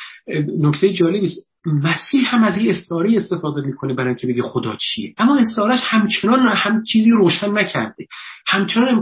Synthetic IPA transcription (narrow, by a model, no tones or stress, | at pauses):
nokt̪ʰejed͡ʒɒːle̞biːst̪ | mæsiːhhæmæziːest̪ɒːɾejiest̪efɒːd̪emiːkʰonebæɾɒjcʰe̞be̞ɡixod̪ɒ̰ːt͡ʃʰijḛʔæmːɒːe̞st̪ɒːɾæʃhæmt͡ʃʰenɒːnhæmt͡ʃʰiːziːɾoːʃænːæcʰæ̰ɾd̪ehæmt͡ʃʰenɒːnem